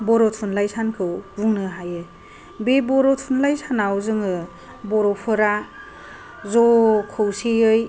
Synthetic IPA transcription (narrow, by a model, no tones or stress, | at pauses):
bɔɾɔtʰunlajsankʰɯwbuŋnɯɦajɯ | bebɔɾɔtʰunlajsanawzɯŋɯ | bɔɾɔpʰɯɾa | zɔkʰɯwsiɯj